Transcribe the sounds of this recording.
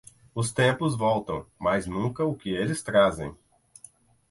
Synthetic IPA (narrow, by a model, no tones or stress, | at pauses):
ʊst̪ẽmpʊzvɔwt̪ɐ̰̃w̃majznũkɐʊkɪelɪst̪ɾazḛ̃j̃